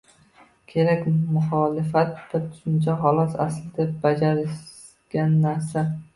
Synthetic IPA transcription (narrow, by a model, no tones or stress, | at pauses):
kʲʰe̞ɾakʲmʊχɒlɪfat̪d̪at̪ʰʊ̥ʃɪnt͡ʃʰaχɒlˠɒsa̰slɪd̪ap̚bad͡ʒaɾɪ | ɡʲanːaɾsa